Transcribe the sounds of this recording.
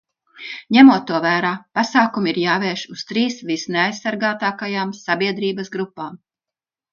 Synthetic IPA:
ɲɛmuɔt̪ːuɔvæːɾaːpasaːkumiɾjaːveːʃust̪ɾiːsvisneajsːaɾɡaːt̪aːkajaːmsabiɛd̪ɾiːbɐsɡɾupːaːm

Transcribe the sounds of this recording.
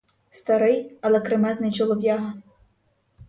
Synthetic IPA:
st̪ɐɾɪjɐlˠɛkɾɪmɛznɐjt͡ʃɔlˠɔʋʲjaɦɐ

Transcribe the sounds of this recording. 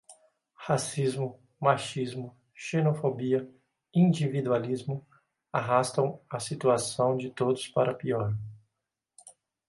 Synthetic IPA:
hasizmʊ | maʃizmʊ | ʃenofobiɐ | ĩd͡ʒivid̪ualizmʊ | aɦast̪ɐ̃w̃ɐsit̪uasɐ̃w̃d͡ʒɪt̪od̪ʊspaɾɐpiɔɾ

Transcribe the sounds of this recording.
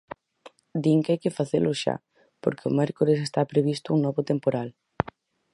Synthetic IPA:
d̪iŋkajkɪfaθelʊʃa̰ | po̰ɾkeʊ̰mɛɾkoɾesest̪apɾeβist̪ʊuŋnɔβʊt̪empoɾal

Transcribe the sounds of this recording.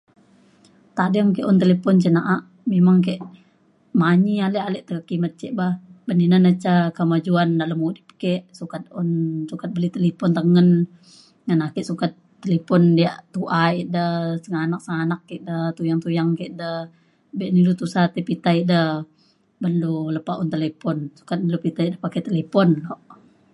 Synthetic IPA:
t̪adəaŋkɛʔɔnt̪elepɔnt͡ʃənaʔaʔ | memaŋk̬ɛʔ | maɲialɛʔalɛʔt̪əkəkimət̪̚kɛʔbahbəndinanət͡ʃakəmad͡ʒuandaləmudip̚kɛʔsukat̪̚ɔnsukat̪̚bəlit̪əlipɔnt̪əŋən | ŋanakɛʔsukat̪ːəlepɔndiaʔt̪uʔaiʔdəsəŋanak̚səŋanakːɛʔdət̪ujaŋt̪ujaŋkɛʔdəh | bɛʔnilut̪usat̪ipit̪aiʔdəh | bənduləpaʔunt̪əlepɔnsu̥kat̪̚nilupit̪aiʔdəhpakɛt̪elepɔnlɔʔ

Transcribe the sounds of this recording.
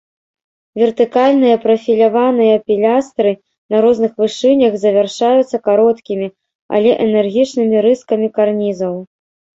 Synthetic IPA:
vʲɛrt̪ɨkalʲnɨjɐpɾɐfʲilʲavanɨjɐpʲilʲast̪ɾɨ | nɐɾɔznɨxvɨʂɨnʲɐxzɐvʲarʂajut̪sːɐkaɾɔt̪kʲimʲi | ɐ̰lʲɛʔɛnɛrɣʲit͡ʂnɨmʲiɾɨskɐmʲikarnʲizɐw

